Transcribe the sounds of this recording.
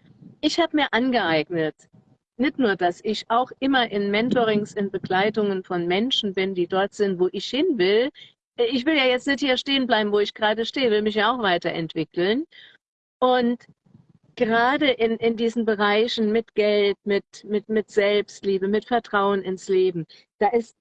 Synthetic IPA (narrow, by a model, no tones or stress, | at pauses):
ʔɪçhaːbəmiːɐʔanɡəʔaɪɡnət | nɪçtnuːɐdasɪçʔaʊxʔɪmɐʔɪnmɛntoʁɪŋsɪnbəɡlaɪtʊŋənfɔnmɛnʃn̩bɪndiːdɔɐtz̥ɪntv̥oːʔɪçhɪnvɪl | ɪçv̥ɪljaːjɛt͡stnɛthiːɐʃteːənblaɪbm̩voːɪçɡ̥ʁaːdəʃteːəvɪlmɪçjaːaʊxv̥aɪtɐʔɛ̰ntv̥ɪkl̩n | ʔʊnt | ɡ̥əʁaːdəʔɪnʔɪndiːzn̩bəʁaɪçn̩mɪtɡ̥ɛltmɪtmɪtmɪtz̥ɛlpstliːbəmɪtfɛɐtʁ̥aʊənɪnsleːbm̩ | d̥aːʔɪst̚